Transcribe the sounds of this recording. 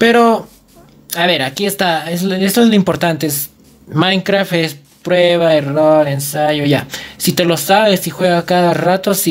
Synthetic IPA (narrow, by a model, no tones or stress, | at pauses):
pe̞ɾo̞ | aβe̞ɾakie̞st̪aezlest̪oezloĩmpo̞ɾt̪ant̪ees | mãjŋkɾaft̪e̞s | pɾweβaeroɾe̞nsaʝoʝasit̪e̞lo̞saβe̞sixwe̞ɣakaðarat̪o̞si